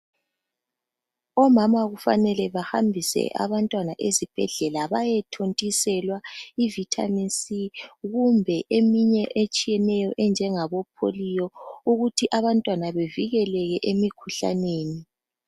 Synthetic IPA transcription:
ɔmamaɣufa̰nɛlɛβaha̰mbʱisɛ̰ʔa̰βantʼwanaʔezib̥ʱɛ̰ɮɛlaβajɛtʰontʼisɛlwaivitʰa̰minsiɣumbʱɛʔemiɲɛʔet͡ʃʼijɛnɛjɔʔɛnd͡ʒʱɛŋaβɔpʰo̰lijɔuɣutʰiʔaβantʼwanaβeviɣɛlɛɣɛʔemikʰuɬa̰neːni

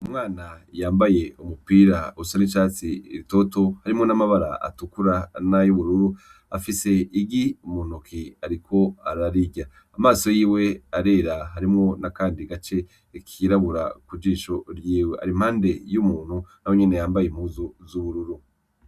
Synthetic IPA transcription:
umŋaːnajaːmbaje̞umupiɾauusanit͡ʃaːt͡siɾito̞to̞haɾimŋo̞namaβaɾa̰a̰tukuɾanajuβuɾuɾu | afise̞iɡiumunukʰiaɾikʰo̞aɾaɾiɟa | amaːso̞jiːwe̞aɾe̞ːɾaɦaɾimŋo̞nakaːndiɡat͡ʃe̞ | kʰiɾaβuɾa̰kud͡ʒiːʃoɾjiːweʔa̰ɾim̥haːnde̞jumuːn̥hunawo̞ɲene̞jaːmbajem̥huːzozuβuɾuɾu

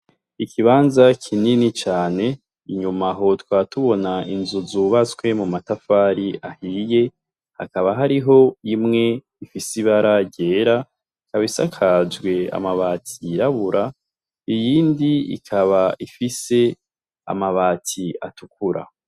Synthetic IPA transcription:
ikʰiβaːnzakʰininit͡ʃaːne̞ | iɲumaɦo̞twaːtuβo̞nainzuzuβat͡swe̞mumatafaːɾiʔahije̞ | ha̰kaβaɦaɾiɦo̞imŋe̞ | ifisiβaɾaɟe̞ːɾa | ikaβisakʰad͡ʒɡwe̞a̰maβaːtʰiɾaβuɾʔa | ijiːndiḭkʰaβaʔifise̞ | a̰maβaːtʰia̰tukuɾa̰

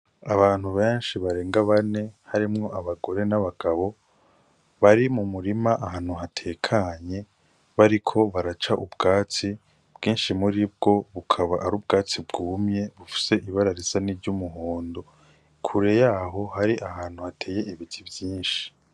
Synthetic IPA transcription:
aβaːn̥huβe̞ːnʃiβaɾe̞ːŋɡaβane̞haɾimŋo̞ʔaβaɡo̞ɾe̞naβaɡ̥aβo̞ | βaɾimumuɾimaʔahaːn̥huɦatʰe̞kʰaɲe̞ | βaɾikʰo̞βaɾat͡ʃaʔubɡaːt͡si | b̥ɡiːnʃimuɾib̚ɡo̞βukʰaβaʔaɾuːb̚ɡaːt͡sibɡuːmɲe̞βufi̥se̞ʔiβaɾaɾizaniɾɟumuɦoːndo̞ | kʰuɾe̞jaːɦo̞haɾiʔahaːn̥huhatʰe̞ːje̞ʔiβitʰibjiːnʃi̥

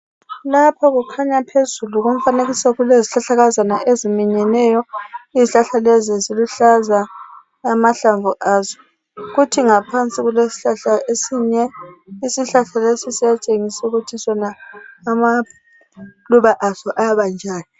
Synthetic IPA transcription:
lapʰɔɣukʰaɲapʰezuluɣum̩faneɣisaɣuleziɬaɬaɣazanaʔezimiɲɛnɛːjɔiziɬaɬalɛziziluɬazaː | maɬaɱvuʔaːzɔ̥ | ɣutʰiŋapʰant͡sʼiɣulesi̥ɬaɬaʔesiɲɛisiɬaɬalesisijat͡ʃʼeŋisuɣutʰisɔnaːma | luβaʔazɔʔajaβand͡ʒʱaːnɔ

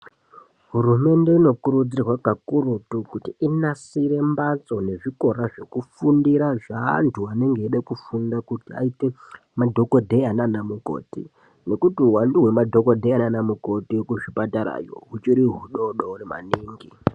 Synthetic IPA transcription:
ɦurume̞nde̞ino̞kuɾud͡zirwakakuɾutukutiinasiɾe̞mbat͡so̞ne̞ʐiko̞ɾaʐe̞kufundiɾaʐa̰ːntʰuane̞ŋɡeːɗekufundakutia̰ite | madʱo̞ko̞dʱe̞ananamuko̰ːtḭ | ne̞kutiuwanduɦwe̞madʱo̞kodʱeananamuko̞tikuʐipataɾa̰jo̞̰ɦut͡ʃiɾiɦuɗoɗourema̰niːŋɡi

